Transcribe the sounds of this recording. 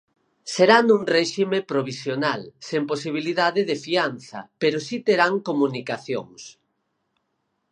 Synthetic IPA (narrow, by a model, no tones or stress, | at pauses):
seɾanuŋreʃimepɾoβ̞isjonalsemposiβ̞iliðaðɪðefianθɐ̰peɾosit̪eɾaŋkomunikaθjo̰ŋs